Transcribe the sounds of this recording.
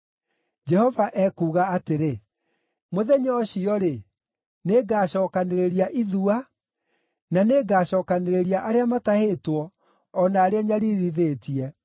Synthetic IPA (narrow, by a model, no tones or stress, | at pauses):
d͡ʒɛhɔvaʔɛkuːɣaateɾe | moðɛɲɔɕiɔɾe | neːɡaːɕɔːkaneɾeɾiaʔiðua | naneɡaːɕɔːkaneɾeɾiaʔaɾeamatahetwɔː | naːɾeaɲaɾiɾiðeːtiɛ